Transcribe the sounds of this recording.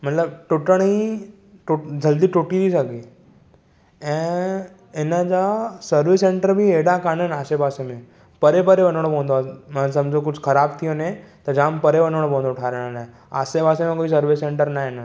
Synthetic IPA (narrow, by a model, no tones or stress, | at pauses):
mɐt̪ləb̚ʈʊʈəɽ̃i | ʈʊd͡ʒɐld̪iʈʊʈiɾisɐɡiː | ɛ̃ː | ɪnəd͡ʒasəɾʋɪsẽːɳʈəɾbʱieːɽakaːnənaːsebaːsemẽ | pɐɾepɐɾeʋɐnəɽ̃obʱõːnd̪omãsɐ̃md͡ʒʱokʊt͡ʃʰkʰɐɾaːbt̪ʰionẽt̪ɐd͡ʒãːmpɐɾeʋɐnəɽ̃obõːnd̪oʊʈʰaːɾeɽ̃an | a̰ːsebaːsemẽkoːis̬ɐɾʋesẽːɳʈəɾnaːɦena